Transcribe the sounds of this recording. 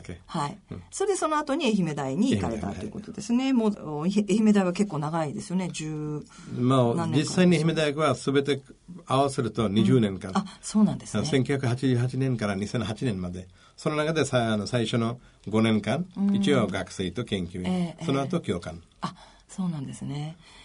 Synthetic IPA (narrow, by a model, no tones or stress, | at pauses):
kehaisoɾed̪e̞sono̞at̪o̞ɲ̟ieçime̞d̪aiɲ̟iikaɾe̞t̪a̰t̪oiɯ̟ko̞t̪od̪e̞sɨne̞moːeçime̞d̪aiβake̞kːo̞ːnaɡaid̪e̞sɨjo̞ned͡ʑɨː | moːd͡ʑisːaiɲ̟ʲieçime̞d̪ajkɯβasɨbe̞t̪e̞aβasɨɾɯ̟t̪o̞ɲ̟iʑɨːnẽ̞ŋkãaso̞ːnãnd̪esssẽŋkʲjuçʲjakɯ̟ɦat͡ɕiʑɨːɦat͡ɕinẽ̞ŋkaɾaɲ̟isẽ̞nɦat͡ɕinẽ̞mmːad̪e̞ | sononakad̪esaanosaiɕo̞no̞ | ɡo̞nẽ̞ŋkãŋ̃it͡ɕioɡakɯ̟̥se̞ːt̪o̞kẽ̞ŋkʲjɨesonoat̪o̞kʲo̞ːkã̰ŋ | a | soːnãnd̪e̞sɨne̞